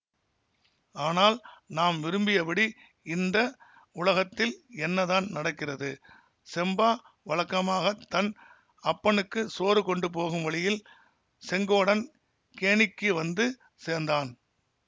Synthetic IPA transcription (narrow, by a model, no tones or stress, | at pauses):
aːnaːlnaːmʋɪɾɯmbɪjɐpɐɽi | ɪnd̪ɐ | ʊlɐɣɐt̪ːɪlɛnːɐðaːnnɐɽɐkːɪrɐðɯ | sɛmbaː | ʋɐɭɐkːɐmaːɣɐt̪ːɐn | ɐpːɐnɯkːɯsoːɾɯkɔɳɖɯpoːɣɯmʋɐɭɪjɪl | sɛŋɡoːɽɐn | keːɳɪkːɯʋɐnd̪ɯ | seːɾnd̪aːn